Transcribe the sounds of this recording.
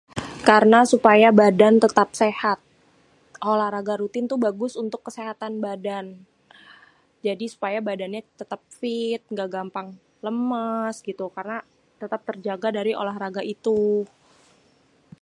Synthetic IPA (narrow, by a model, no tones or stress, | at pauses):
karənasupajabadant̪ət̪ap̚sehat̪̚ | olahɾaɡaɾut̪ɪnt̪ubaɡʊsunt̪ʊkːəseɦat̪anbadan | d͡ʒadisu̥pajabadanɲat̪ət̪ap̚fɪt̪̚ŋɡaɡampaŋ | ləməsɡit̪ukarna | t̪ət̪ap̚t̪ərd͡ʒaɡadaɾiʔo̰lahɾaɡaʔit̪u